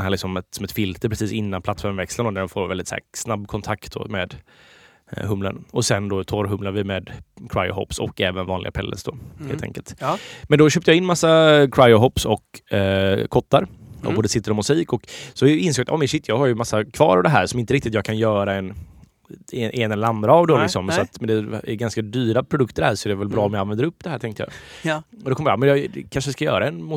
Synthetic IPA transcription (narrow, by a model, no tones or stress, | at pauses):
nhæːɭlɪksɔmɛsɔmɛt̪fɪlt̪əɾpʰɾɛsiːsɪnːanpʰlat̪ːfɔɾmvɛkslənd̪oːnæɖ̪ɛnfoːɾvɛld̪ɪt̪sæ̰ːsnabːkʰɔnt̪ʰakt̪̚d̪o̰ːmeːd̪ | ɦɵmlə̰nɔsɛnd̪ot̪ʰɔɾɦɵmlaɾvɪmeːd̪kʰɾa̰jɔ̰hɔ̰psɔ̰kːɛːvənvɑːnlɪɡa̰pʰɛlːʔə̰sd̪oːhḛːlt̪ʰɛ̰ŋkə̰lt̪mɛnd̪ɔɕøːp̪̚əjɑɪnːmasːakʰɾajɔɦɔpsɔk | kʰɔt̪ːaɾɔ̰boːd̪əsɪt̪ːəɾɔmʉsiːkɔksɔɪnsoːɡat̪ɔ̰ːmɛnɕɪt̪ːjɑːɡhaɾjɵmasːakʰvɑ̰ːɾavd̪ɛɦæ̰ːɾʂɔmɪnt̪əɾɪkt̪ɪt̪jɑːɡkʰanjœːɾaɛn | ɛʔɛnɛlɛəɾand̪ɾaːvd̪ɔɪksɔmsɔat̪mɛnd̪ɛɛ̰ɡanskad̪yːɾapʰɾʊd̪ɵkt̪əɾhæːɾʂɔɛɾɛvɛlbɾɑːɔmjaanvɛnd̪əɾɵpːd̪ɛhæːʈʰɛŋkt̪əjɑ̰ː | d̪ɔkʰɔmjaːmɛnjɑd̪ɛkʰanʂəd̪ɛskajœ̰ːɾaɛnmʊ